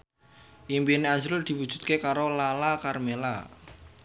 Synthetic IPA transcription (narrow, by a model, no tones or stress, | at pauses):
ʔimbineand͡ʒɾʊld̪̥i̤wud̥ʒ̥ṳ̥t̪̚kekaɾolalakarmela̰